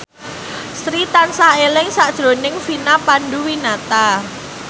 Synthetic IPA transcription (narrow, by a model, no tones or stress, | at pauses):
sɾit̪ansaelɪŋsad̥ʒ̥ɾo̤nɪŋfinapanɖuwinat̪a